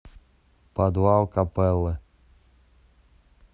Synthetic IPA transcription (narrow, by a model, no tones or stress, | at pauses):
pad̪wawkapɛlə